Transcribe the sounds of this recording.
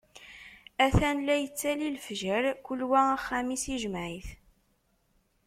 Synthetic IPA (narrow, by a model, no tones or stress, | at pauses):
æθænlæjət͡sːælilfʒəɾkʊlwææχːæmisiʒəmʕiθ